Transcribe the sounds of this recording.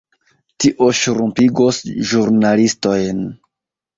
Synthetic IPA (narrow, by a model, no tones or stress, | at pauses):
tiʔo̞ʃɾumpiɡosʒuɾnalisto̞jn